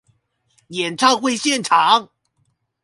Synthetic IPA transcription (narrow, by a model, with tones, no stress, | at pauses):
jɛ˨˩nʈ͡ʂʰɑ˥˧ŋxwe˥˧ɪɕjɛ˥˨nʈ͡ʂʰɑ˨˦ŋ